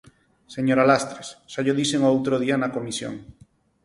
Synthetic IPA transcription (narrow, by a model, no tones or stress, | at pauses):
seɲoɾalast̪ɾessaʎoðiseŋoowt̪ɾoð̞ianakomisjo̰ŋ